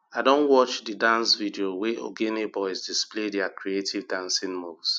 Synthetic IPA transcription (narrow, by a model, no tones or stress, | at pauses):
aɪdõnwɔt͡ʃdidãnsvidioweʔo̰ɡenebɔɪzdisplediakɾietʰivdãnsĩnmuvs